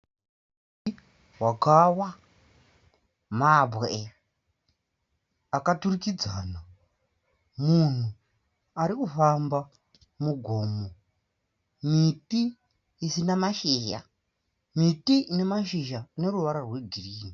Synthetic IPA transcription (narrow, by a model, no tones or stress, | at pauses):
m | ti | wakawa | mabʱwe | akaturikid͡zaːna | mun̤u | aɾikufamba | muɡʱo̞ːmo | mitiː | sinamaʃiːja̰ | mitiine̞maʃiʒaːne̞ɾuʋaɾarwe̞ɡʱiriːni